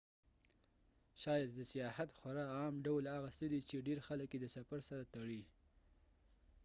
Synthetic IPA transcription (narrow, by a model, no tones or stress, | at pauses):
ʃɑjad̪ːəsijɑhat̪xwaɾɑɑmɖawlhaɣasəd̪it͡ʃeɖeɾxaləkjed̪əsafaɾsaɾat̪aɽi